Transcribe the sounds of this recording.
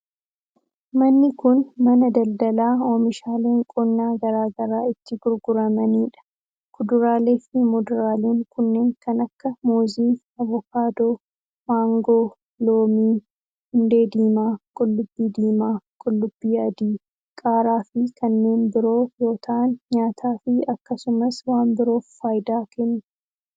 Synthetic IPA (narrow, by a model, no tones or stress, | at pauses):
mɐnːɪkʊnmɐnɐd̪ɐld̪ɐlaːoːmɪʃaːleːŋkʼɔnːaːɡɐɾaːɡɐɾaːɪt̪ːɪɡʊɾɡʊɾɐmɐniːᶑɐ̥ | kʰʊd̪ʊɾaːle̞ːfɪmɔd̪ʊɾaːleːŋkʊnːe̞ːŋkɐnɐkːɐmoːziː | ɐvɔkaːd̪o | maːŋɡoː | loːmiː | hʊnd̪e̞ːd̪iːmaːkʼɔlːʊbːiːd̪iːmaːkʼɔlːʊbːiːɐd̪iː | kʼaːɾaːfɪkʰɐnːe̞ːnbɪɾo̞ːjo̞ːt̪ʰɐʔɐnɲaːt̪ʰaːfɪɐkːɐsʊmɐswaːmbɪɾoːfːaːjd̪aːkɛnːʊ̥